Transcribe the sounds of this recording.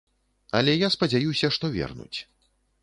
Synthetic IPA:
ɐlʲɛjaspɐd͡zʲajusʲɐʂt̪ɔvʲɛ̰rnṵt͡sʲ

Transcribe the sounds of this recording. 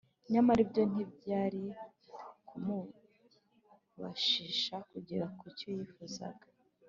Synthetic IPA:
ɲamaɾibjo̞n̥ibɟaːɾi | kʰumu | βa̰ʃiʃakuɟiɾakucojifuza̰ɡḁ

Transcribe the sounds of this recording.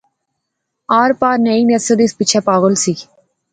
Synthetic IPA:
aːɾpaːɾneinɛsəd̪ispɪt͡ʃʰɛpaːɣəlsiː

